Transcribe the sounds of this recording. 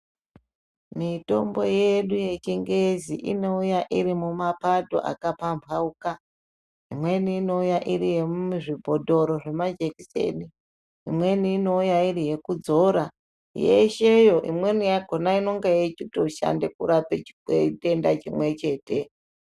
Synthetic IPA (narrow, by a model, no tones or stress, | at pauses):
mito̞̰mbo̞jeɗuje̞t͡ʃiŋɡeziʔino̞ujaʔiɾimumapato̞̰ʔa̰kapampʰauka | imwe̞niːno̞ujaʔiɾije̞muʐibʱo̞dʱo̞ɾo̞ʐe̞mad͡ʒekise̞̰ni | imwe̞niːno̞ujairije̞kud͡zo̞ɾa | jeʃe̞jo̞ʔḭmwe̞nijaɡ̥ʱonaino̞ŋɡejet͡ʃutoʃa̰nde̞kuɾapet͡ʃiete̞ndat͡ʃimwe̞t͡ʃe̞ːte̞